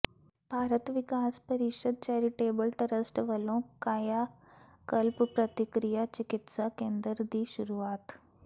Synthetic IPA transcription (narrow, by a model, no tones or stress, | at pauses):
b̥ʱaːɾət̪ʋɪkaːspɐɾɪʃəd̪̚t͡ʃɛːɾiʈeːbəlʈɐɾəsʈʋɐlõkaːjaː | kəlppɾɐt̪ɪkɾijat͡ʃɪkɪt̪sakẽːnd̪əɾd̪iːʃʊɾuaːt̪